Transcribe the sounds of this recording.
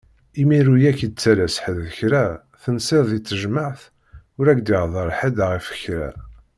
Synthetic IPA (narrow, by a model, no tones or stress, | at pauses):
imiɾujækəd̪̚t͡sːælæsħəððəçɾæ | θənsɪɾðit͡sːəʒməʕθ | ʊɾæɡd̪ɪʁðˤəɾˤħəd̪ʁifə̥çɾæ̰